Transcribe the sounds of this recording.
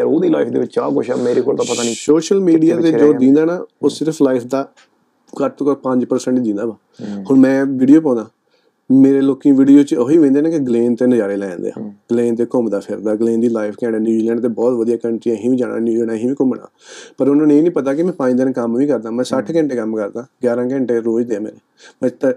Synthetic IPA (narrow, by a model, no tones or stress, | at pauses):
oːd̪iːlaːɪfd̪ḛːʋɪt͡ʃːt͡ʃaːkʊʃa̰meːɾeːkoːɾt̪õːpət̪aniːsoːʃəlmiːɖijaːt̪eːd͡ʒoːd̪ĩːnd̪aːnaːoːsɪɾpʰlaːɪpʰd̪aː | kət̪kpə̃ɲd͡ʒpəɾsəɳʈd̪ĩːnd̪aːbaː | hoːɳmɛ̃ːʋiːɖijoːp̬ɔ̃ːnd̪aː | meːɾeːloːkĩːʋiːɖijoːt͡ʃoːiːʋẽːnd̪eːnãːkɪɡleːnt̪eːnəd͡ʒaːɾeːlɛ̃ːnd̪ḛːa̰ːɡ̥əleːnt̪eːkʊmd̪aːpʰɪɾd̪aːɡleːnd̪iːlaːɪpʰkɛ̃ːɽaːnjuːd͡ʒiːlɛːɳɖt̪eːbɔːt̪ʋəd̪ijaːkəɳʈɾiãːɦĩːʋiːd͡ʒaːɽa̰ːnjuːɛːnaːɦĩːʋiːkʊmna̰ːpəɾʊnãːneːenĩːpət̪aːk̬ɪmɛ̃ːpãːĩːd̪eːnːkəmʋĩːkəɾd̪aːmɛ̃ːsəʈʰkɛ̃ɳʈeːkəmkəɾd̪aːɡjaːɾãːkɛ̃ɳʈeːɾoːd͡ʒd̪eːãːmɛ̰ːneːmə̃t̪ː